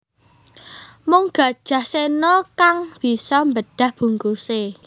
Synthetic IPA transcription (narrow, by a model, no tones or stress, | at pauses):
mʊŋɡ̥ä̤d̥ʒ̥ä̤hsenɔkaŋb̥i̤sɔmbəɖ̥ä̤hb̥ṳŋkuse